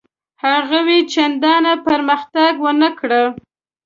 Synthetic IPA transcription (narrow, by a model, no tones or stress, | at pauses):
haɣawet͡ʃand̪ɑnapəɾməxt̪aɡwənəkɽə